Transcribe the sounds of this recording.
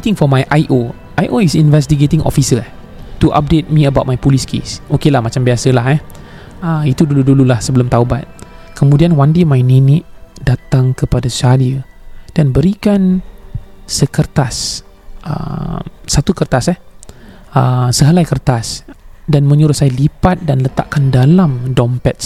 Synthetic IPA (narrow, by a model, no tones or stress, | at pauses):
t̪ɪ̃ŋfɔmajʔajʔo | ʔajʔoisinvɛs̬t̪iɡet̪ɪ̃ŋʔɔ̰fisə | t̪uʔa̰p̚det̪̚mĩəbawt̚majpuliskʰḛsokelahmat͡ʃambiasəlaɦɛ | əit̪uduludululahsəbəlʊmt̪aubat̪̚kəmudianwandemajninɪʔdat̪aŋkəpadasaliə | d̥anbəɾikan | səkərt̪as | ʔə̰msat̪ukərt̪asah | əsəɦalajkərt̪asdanmə̃ɲuɾusailipat̪̚danlət̪a̰ʔkandalamdɔmpɛt̪̚